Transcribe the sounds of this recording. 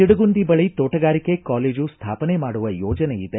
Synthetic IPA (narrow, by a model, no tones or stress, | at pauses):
iɽɐɡund̪ibɐɭit̪oːʈɐɡaːɾike̞kaːleːd͡ʒust̪ʰaːpɐnemaːɽuʋɐjɔːd͡ʒɐneid̪e